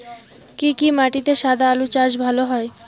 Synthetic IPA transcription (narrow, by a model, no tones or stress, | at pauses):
kikimaʈit̪eʃad̪ʱaalut͡ɕaʃ̬bʱaloɦɔe